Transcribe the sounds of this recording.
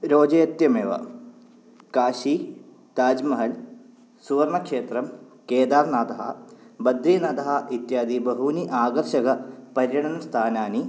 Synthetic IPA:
ɾoːd͡ʒɐjɐt̪jɐmeːʋɐ̰ | kaːʃiː | t̪aːd͡ʒmɐɦɐl | suʋɐɾmɐkʂeːt̪ɾɐm | keːd̪aːɾnaːt̪ɐɦɐ̰bɐd̪ɾiːnaːt̪ɐɦɐit̪jaːd̪ibɐɦuniʔaːɡɐrʃɐɡɐpɐɾjɐɳɐnst̪ʰaːnaːni

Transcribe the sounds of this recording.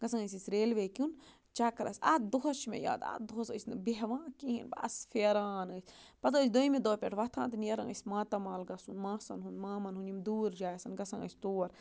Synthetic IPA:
ɡɐsɐ̃ŋəsʲisʲɾeːlʋekʲun | t͡ʃɐkɾɐ̰sa̰ːt̪̚d̪oɦɐʃmḛja̰ːd̪a̰t̪̚d̪oɐsə̰sʲnɐbeɦʋãːkiɦinba̰sfeɾaːnəːsʲpɐt̪ɐːs̬ʲd̪ojmed̪oːpʲeʈʰʋɐt̪ʰã̰ːnt̪ɨnjɐɾɐŋə̰sʲmaːt̪ɐmaːlɡɐsunmãːsɐ̰nɦunmaːmɐnɦunjimd̪uːɾd͡ʒaːjsɐnɡɐsɐŋə̰sʲt̪oːɾ

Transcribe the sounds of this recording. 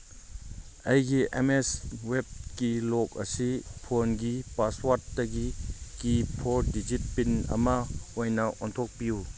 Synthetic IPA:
ɐjɡiʔḛmeswep̚kilɔk̚ɐ̰sipʰonɡipaswaɾtːɐɡikipʰoɾdid͡ʒit̚pinɐ̰mɐojnɐɔntʰɔk̚piu

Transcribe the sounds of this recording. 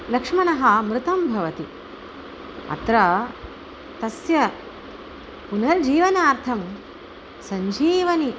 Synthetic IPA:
lɐkʂmɐnɐɦɐmɾɪt̪ɐmbʱɐʋɐt̪i | ɐ̰t̪ɾɐ | t̪ɐsjɐ | punɐɾd͡ʒiːʋɐnaːɾt̪ʰɐm | sɐɲd͡ʒiːʋɐni

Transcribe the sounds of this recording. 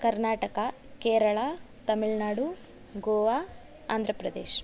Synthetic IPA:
kɐɾnaːʈɐkɐ | keːɾɐɭaː | t̪ɐmiɭnaːɽu | ɡoːʋaː | a̰ːnd̪ʱɾɐpɾɐd̪ḛːʃ

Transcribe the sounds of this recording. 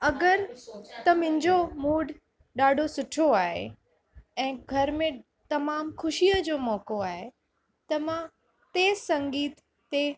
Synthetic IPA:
ɐɡəɾt̪ɐmʊ̃ɦɪ̃ɲd͡ʑomuːɖʱ | ɗaːɖʱosʊʈʰoaːɦḛ | ɛ̃ːɡʱɐɾmẽ | t̪ɐmaːmxʰʊʃiəd͡ʑoːmɔːkoaːɦe | t̪ɐmã | t̪eːsɐ̃ŋɡiːt̪ː | e

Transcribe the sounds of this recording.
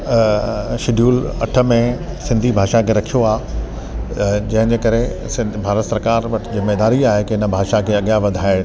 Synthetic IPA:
ʃɪɖʱjuːlɐʈʰə̆mẽ | sɪ̃nd̪ʱibʱaːʃakʰeːɾɐkʰijoaː | d͡ʑɐ̃ɦɪ̃ɲd͡ʑeːkɐɾe | sɪ̃bʱaːɾət̪sɐɾkaːɾʋɐʈʰd͡ʑɪmːed̪aːɾiaːɦekeɪnə̆bʱaːʃakʰeɐɠjaʋɐd̪ʱaːɪɽ

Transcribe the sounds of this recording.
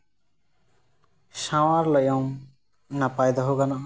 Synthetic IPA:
ʃawaɾlɔjɔŋ | napajd̪ɔɦoɡana

